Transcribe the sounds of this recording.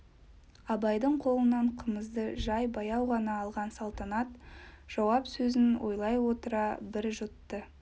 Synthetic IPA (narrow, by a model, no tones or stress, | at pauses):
ɑbɑjd̪əɴqʰo̞lˠənɑɴqʰəməzd̪əʒɑjbɑjɑwʁɑnɑːlˠʁɑnsɑlˠt̪ɑnɑt̪ʒ̥ɑwɑpsɵzɪnwʔo̞jlˠɑjwo̞t̪əɾɑbɪɾʒʊt̪ːə